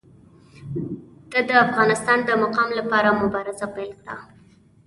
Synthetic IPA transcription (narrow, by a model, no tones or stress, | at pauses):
d̪̥ad̪əafɣɑnɪst̪ɑnd̪əmʊqɑmlapɑɾamʊbɑɾɪzapajlkɽa̰